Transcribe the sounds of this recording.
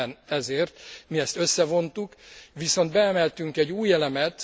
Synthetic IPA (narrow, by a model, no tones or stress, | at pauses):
nɛzeːrt̪miɛst̪øsːɛvo̞nt̪ukʋiso̞nd̪bɛɛmɛlt̪yŋkɛɟːuːjɛlɛmɛt̪